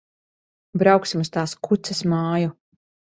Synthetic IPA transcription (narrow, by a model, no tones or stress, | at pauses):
bɾawksimust̪aːskʰut̪sɛsmaːju